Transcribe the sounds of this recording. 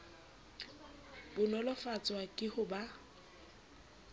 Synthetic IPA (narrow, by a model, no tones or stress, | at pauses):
bʊnɔlɔfat͡sʼwakʼɪhʊba